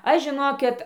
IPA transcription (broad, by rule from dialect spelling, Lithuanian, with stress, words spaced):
ˈɐʃ ʒʲɪˈnoːkʲɪt